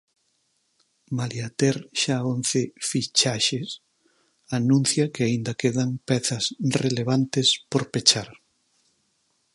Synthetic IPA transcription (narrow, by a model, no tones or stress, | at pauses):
maljat̪eɾʃaonθefit͡ʃaʃes | anũn̟θjɐkeaind̪ɐkeðaŋpɛθɐsreleβ̞ant̪espoɾpet͡ʃaɾ